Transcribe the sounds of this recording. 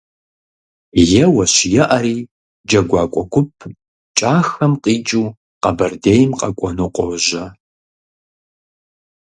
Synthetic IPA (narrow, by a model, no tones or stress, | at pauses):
jɛwɐɕjɛʔɐɾiː | d͡ʒɐɡʷɑːkʷʼɔkʷʰʊpʰ | t͡ʃʼaːxɐmqʼiːd͡ʒʼuː | qɐbɐrdeːjmqʼɐkʷʼɔnuqʷʼɔwʒɐ